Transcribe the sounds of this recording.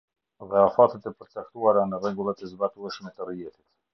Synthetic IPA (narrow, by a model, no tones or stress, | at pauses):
ðɛafat̪ət̪ɛpəɾt͡sak̚t̪uaɾanərɛɡulˠat̪əzbat̪uɛʃmɛt̪ərijɛt̪it̪